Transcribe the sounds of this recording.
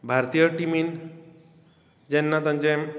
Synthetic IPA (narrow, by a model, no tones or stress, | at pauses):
bʱaɾt̪ijəʈimin | d͡ʑɛnːat̪ãɲd͡ʑẽ